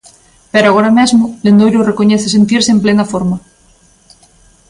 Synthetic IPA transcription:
peɾoaɣ̞oɾamezmolend̪ojɾorekoɲeθese̞nt̪iɾseemplenafoɾma

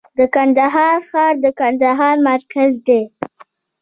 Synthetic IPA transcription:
d̪əkand̪aɦɑɾxɑɾd̪əkand̪aɦɑɾmaɾkazd̪e

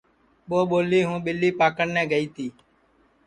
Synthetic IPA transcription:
ɓoːɓoːliːɦũːɓɪlːiːpaːkəɳnɛ̃ːɡəiːt̪ʰiː

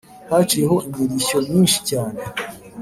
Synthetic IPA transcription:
hat͡ʃiɾeɦo̞ʔimiɾiço̞mɲiːnʃi̥caːne̞

